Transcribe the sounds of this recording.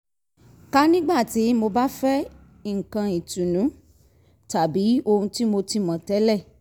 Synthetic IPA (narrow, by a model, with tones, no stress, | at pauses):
ka˦nĩ˦ɡ͡ba˦˨ti˨˦mo˧ba˦fɛ˦ | i˦˨ŋ̩˨kã˧i˨tũ˨nũ˨˦ | ta˨bi˨˦o˧hũ˧ti˦mo˧ti˧mã˨tɛ˨˦lɛ˦˨